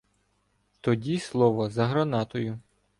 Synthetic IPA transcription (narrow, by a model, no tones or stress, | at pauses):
t̪ɔdʲislˠɔʋɔzɐɦɾɐnɑt̪ɔjʊ